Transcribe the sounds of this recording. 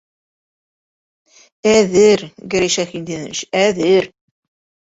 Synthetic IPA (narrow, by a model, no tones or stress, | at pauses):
æðɘɾɡɘ̆ɾeʃæxind̪inɘ̰ʃæðɘɾ